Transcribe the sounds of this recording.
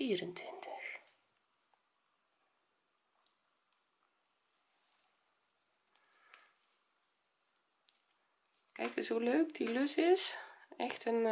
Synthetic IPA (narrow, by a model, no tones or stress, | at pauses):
iəɾəntʰʋɪntʰə̥x | kɛ̰jk̚əsuløːkdilʏsɪsɛxtʰən